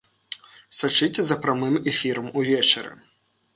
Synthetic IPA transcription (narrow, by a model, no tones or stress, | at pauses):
sat͡ʂɨt͡sʲɛzɐpɾamɨmɛfʲiɾɐmuvʲɛt͡ʂɐɾɨ̰